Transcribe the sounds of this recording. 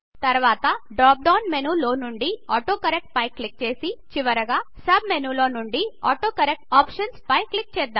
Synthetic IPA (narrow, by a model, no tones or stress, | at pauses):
t̪ɐɾʋaːt̪ɐɖɾaːp̚ɖɐːwnmenuːloːnuɳɖiɔːʈoːkɐɾek̚ʈ̚pɐjkːlik̚t͡ʃeːsit͡ʃiʋɐɾɐɡaː | sɐbmenuloːnuɳɖiaːʈoːkɐɾek̚ʈaːpʂɐnspɐjklik̚t͡ʃɛːd̪ːaːm